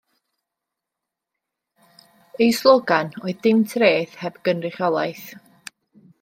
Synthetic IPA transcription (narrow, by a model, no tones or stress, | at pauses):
ejslˠoɡanɔɨðdɪmtʰreːθhɛbɡ̥ənrɪχjɔlˠajθ